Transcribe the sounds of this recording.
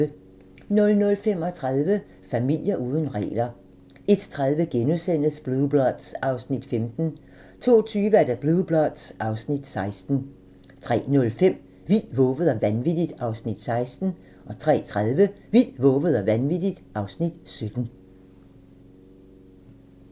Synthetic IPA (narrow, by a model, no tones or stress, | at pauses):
nɔ̽lnɔ̽lfem̰ɒ̽t͡sʰʁaðˠʋə | fæmil̰jɐʔuːðˠən̩ʁɛ̰ːlɐ | e̝d̥t͡sʰʁaðˠʋəɡ̥enusen̰əsb̥luðˠb̥lɒd̥sɑ̈ʊsnid̥femd̥n̩ | t͡sʰo̝̰ːt͡sʰyːʋəæɐd̥æb̥luðˠb̥lɒd̥sʔɑ̈ʊsnid̥sɑ̈ɪsd̥n̩ | t͡sʰʁɛ̰ːnɔ̽lfem̰ | ʋil̰ʋɔ̽ːʋəð̞̩ˠɒʋænʋid̥id̥ɑ̈ʊsnid̥sɑ̈ɪsd̥n̩ | ʔɒ̽t͡sʰʁɛ̰ːt͡sʰʁaðˠʋə | ʋil̰ʋɔ̽ːʋəð̞̩ˠɒʋænʋid̥id̥ʔɑ̈ʊsnid̥sød̥n̩